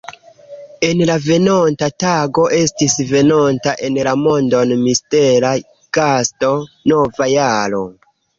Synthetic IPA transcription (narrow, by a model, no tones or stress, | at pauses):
e̞nlave̞nontataɡo̞ʔe̞stisve̞nontaʔe̞nlamo̞ndo̞nmiste̞la | ɡ̥asto̞no̞vajaɾo̞